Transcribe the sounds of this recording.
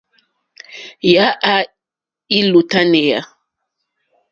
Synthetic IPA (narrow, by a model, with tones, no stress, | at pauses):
ja˨˦ʔa˦ | i˦lu˨ta˦nɛ˨ja˨